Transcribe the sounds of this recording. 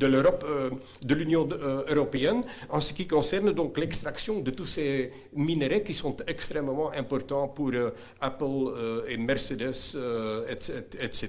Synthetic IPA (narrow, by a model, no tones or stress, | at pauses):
d̪əløʁɔpø | d̪əlynjɔ̃øøʁɔpeɛnɑ̃sə̥kʲikɔ̃sɛʁnd̪ɔ̃klɛkst̪ʁaksjɔ̃d̪ət̪use | mineʁekisɔ̃t̪ɛkst̪χɛmmɑ̃ʔɛ̃pɔrt̪ɑ̃puʁø | apəløemɛʁsed̪ɛsøɛt̪ɛt̪se